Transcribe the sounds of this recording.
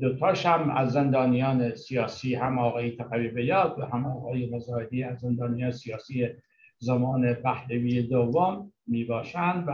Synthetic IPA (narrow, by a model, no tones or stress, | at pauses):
d̪ot̪ʰɒːʃæmæ̰zːend̪ɒːnijɒːnesijɒːsiːɦæmɒːɣɒːjet̪ʰæɣæviːbejɒːd̪væɦæmɒːɣɒːjemozɒːed̪iːæzːend̪ɒːnijɑːnesijɑːsiːje | zæmɒːnebæhleviːed̪ovːomːiːbɒːʃænd̪væ